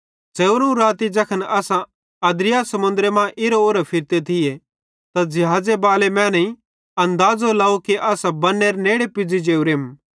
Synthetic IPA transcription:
d͡zeːuɾũɾaːt̪id͡ʒɐkʰənɐsã | ɐd̪ɾɪjasɐmʊ̃nd̪ɾemãʔɪɾooːɾapʰɪɾt̪et̪ʰɪje | t̪ad͡ʒɪɦaːd͡ʒebaːlemɛ̃ːnĩ | ɐ̃nd̪aːd͡zolaːukiʔɐsãbɐnːeːɾneːɽepɪd͡zid͡ʒeːuɾeːm

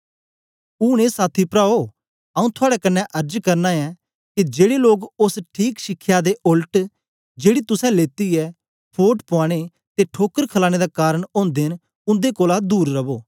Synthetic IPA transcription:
ʊːɽ̃eːsaːt̪ʰipɾaːo | ɐːũt̪ʰʊaːɽɛkɐnːɛ̃ʔɐɾd͡ʒkɐɾnaɛ | kid͡ʒeːɽeloːɡʊsʈʰiːkʃɪkʰːjad̪eʔʊlʈ | d͡ʒeːɽit̪ʊsɛ̃leːt̪iɛ | pʰoːʈpʊaːɽ̃e | t̪eʈʰoːkəɾkʰlaːɽ̃ed̪akaːɾəɽ̃õːnd̪eːn | ʊ̃nd̪ekoːlad̪uːɾːɐboː

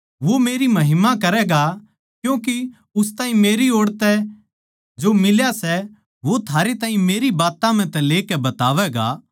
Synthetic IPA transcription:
ʋomeːɾimɐɦɪmakɐɾɛɡa | kjũːki | ʊst̪aːĩmeːɾioːɽt̪ɛ | d͡ʒoːmɪljasɛ | ʋot̪ʰaːɾet̪ãːɦĩmeːɾibaːt̪ãm̤ɛ̃t̪ɛ̃leːkɛbɐt̪aːʋɛɡa̰

